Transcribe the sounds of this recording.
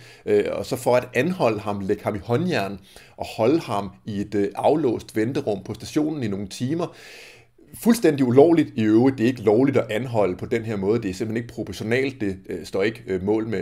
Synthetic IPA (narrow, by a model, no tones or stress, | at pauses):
øɒ̽sɒ̽fɒ̽æd̥ænhɒ̽l̰əɦɑ̈mleɡ̥əhɑ̈mihɒ̽njæɐ̰n | ʔɒ̽hɒ̽ləhɑ̈mie̝d̥ʔɑ̈ʊlɔ̰̽ːsd̥ʋend̥ɐʁɔ̽m̰pʰɒ̽sd̥æɕo̝̰ːnn̩ino̝ːŋ̩t͡sʰiːmɐ | fulsd̥en̰d̥iulɒʊ̰lid̥iøʊʁid̥e̝e̝ɡ̥əlɒʊlid̥ɒ̽ʔænɦɒ̽l̰əpʰɒ̽d̥enɦe̝ɐ̰mɔ̽ːð̞ˠde̝æɐse̝m̩ene̝ɡ̥̚pʰʁopʰɒɕo̝nɛ̰ːld̥ːe̝sd̥ɒ̰ːe̝ɡ̥əmɔ̰̽ːlme